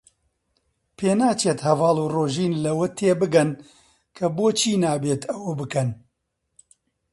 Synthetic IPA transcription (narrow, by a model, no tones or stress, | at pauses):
pʰeːnaːt͡ʃeːt̪hɐvɑːluːroːʒiːnlɐwɐt̪ʰeːbɨɡɐn | kʰɐboːt͡ʃʰiːnaːbeːt̪ɐwɐbɨkɐn